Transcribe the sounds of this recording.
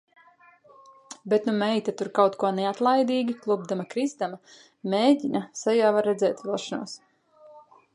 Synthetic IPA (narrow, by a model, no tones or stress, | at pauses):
bet̪numɛjt̪at̪uɾkawt̪kuɔnɛat̪lˠajd̪iːɡʲiklˠub̚d̪amakɾizd̪ama | meːɟʲinasɛjaːvaɾːɛd̪zɛːt̪vilˠʃanṵɔs